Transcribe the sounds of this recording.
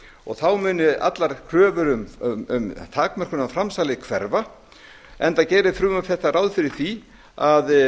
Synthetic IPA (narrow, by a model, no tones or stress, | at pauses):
ɔ̰ɣθawmʏːnʏʔa̰t̪laɾ̥kʰɾœːvʏɾʏmʏ̰mt̪ʰaːkmar̥kʏnafɾamsaːlɪkʰvɛɾva | ɛnt̪acɛːɾɪfɾʏːmaθɛht̪ːaɾaːwðfɪɾɪɾ̥θi | að